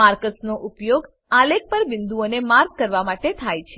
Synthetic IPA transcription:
aɾkəsnoʔupjoɡ | alek̚pəɾʋɪnd̪uonemaɾɡ̚kəɾʋamaʈet̪ʰajt͡ʃʰe

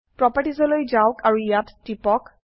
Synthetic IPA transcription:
pɹɔpaʈizɔlojd͡ʒawkaɹuijatːipɔk

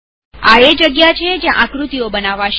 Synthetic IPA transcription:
aed͡ʒəɡjat͡ʃʰed͡ʒjãʔãkɾut̪iobənaʋaʃ

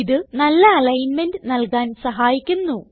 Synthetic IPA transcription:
iðɨnɐlːɐɐlɐjnmendɨnɐlkaːnsɐɦaːjikʲːunːu

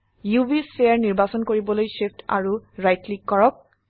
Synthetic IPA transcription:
jubispejaɹniɹbasɔnkoɹibɔlojseptʰa̰ɹuɹajtlikːɔɹɔk̚

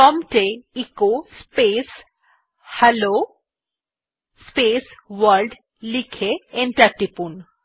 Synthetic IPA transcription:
ɔmʈeikospes | halo | spesʋəɾɖ | likʰeenʈaɾʈipun

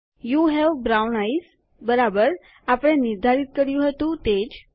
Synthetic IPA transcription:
juɦɛʋbɾawnais | bəɾabəɾ | apɽ̃ẽniɾd̪ʱaɾit̪̚kəɾjuɦət̪uːt̪ed͡ʑ

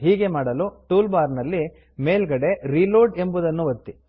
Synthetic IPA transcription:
ɦiːɡe̞maːɽɐluʈuːlbaːɾnɐlːi | me̞ːlɡɐɽe̞ɾiːloːɖe̞mbud̪ɐnːuʋɐt̪ːi

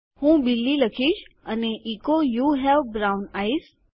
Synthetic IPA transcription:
hũːɓɪlːilɐkʰiːʃɐneʔiːkojuːɦɛʋbɾaʊnaːis

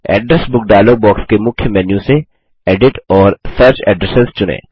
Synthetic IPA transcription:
ɛ̰ːɖɾɛsbʊk̚ɖaːlobɔːkskemʊkʰjəmɛːnjũse | eːɖɪʈɔːɾsɐɾt͡ʃɛ̰ːɖɾɛsɪzt͡ʃʊnḛ̃ː

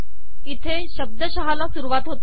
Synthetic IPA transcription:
it̪ʰeɕəb̚d̪əɕəɦalasuɾuʋat̪ɦot̪

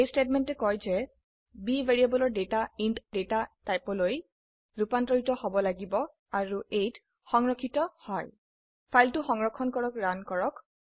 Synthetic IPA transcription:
ejstetmɛntɛkɔjzɛ | bivʱeɹiabɔlɔɹdetaintdetatajpɔloj | ɹupantɹɔɦitɔhobɔlaɡibɔ | aɹuejt | xɔŋɹɔkʰːitɔhɔj | pʰajltuxɔŋɹɔkʰːɔnkɔɹɔkɹankɔɹɔk

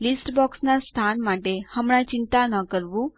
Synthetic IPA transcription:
lisʈbɔksnast̪ʰanmaʈehəmɽ̃ãt͡ɕint̪anəkəɾʋũ

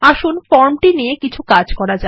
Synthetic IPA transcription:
aʃunfɔɾmʈiniekit͡ɕʰukad͡ʑkɔɾad͡ʑa

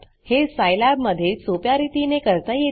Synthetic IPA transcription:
hesajlæbməd̪ʱːjesopjaɾit̪inekəɾt̪aje

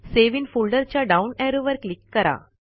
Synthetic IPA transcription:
seʋinfulɖəɾt͡ɕjaɖaunɛɾuʋəɾklikːəɾa̰

